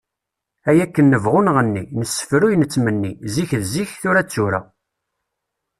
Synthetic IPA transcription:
æjækːənːəvʁʊnʁənːinəsːə̥fɾujnət͡sːmənːiziçðziçθʊɾæt͡sːuɾæ̰

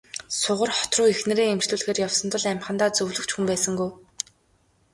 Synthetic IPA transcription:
sʊʁə̆rχɔ̥t̪rʊːexnĕɾeːŋemt͡ɕɮuːɮxeːrjawsɞ̆nt̪ə̆ɮæmʲχə̆nt̪aːt͡sɵwɮɵ̆kt͡ɕxumpæːsə̆ŋɡuj

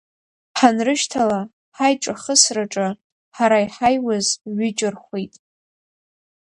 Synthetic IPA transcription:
ħanrɨʃtʰala | ħajʈ͡ʂʼaχəsraʈ͡ʂʼɨ | ħaɾajħajwazɥɪt͡ʃʼɪrχʷejtʼ

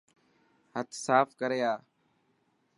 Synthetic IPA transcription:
ɦət̪ʰsaːfkəɾeːaː

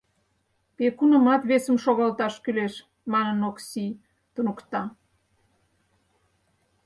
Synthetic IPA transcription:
pekunəmɑt̪βesəmʃoɣɑlt̪ɑʃkyleʃ | mɑnənoksi | t̪unəkt̪ɑ

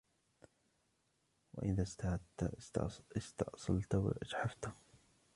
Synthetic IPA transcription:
wa̰ʔɪðast̪h | ɪst̪ɑ̰ʕʔsˤɑlt̪awɪ̰ʔad͡ʒħaft̪

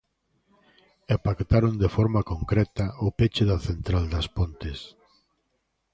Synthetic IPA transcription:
epakt̪aɾond̪efɔɾmakõŋkɾɛt̪ɐʊpet͡ʃɪðɐθent̪ɾald̪ɐspont̪ɪs

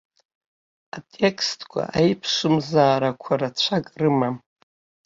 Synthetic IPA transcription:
atʼe̞kʰʼstʰʼkʷʰa̰ʔajpʰʂɨmzaːɾakʷʰaɾat͡ɕʷʰakʼrɨmam

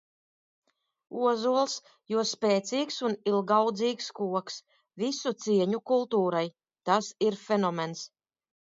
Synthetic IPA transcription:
uɔzuɔlˠs | juɔspʲɛːt̪sʲiːksunilˠɡawd̪ziːkskuɔks | vʲisut̪siɛɲukulˠt̪uːɾaj | t̪asiɾfʲɛnɔmens

